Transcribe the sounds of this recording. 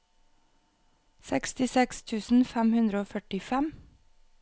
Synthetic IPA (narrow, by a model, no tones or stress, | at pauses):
sɛkst̪ɪsɛkst̪ʰʉːsn̩fɛmhʉnd̪ɾəoːfœʈɪfɛm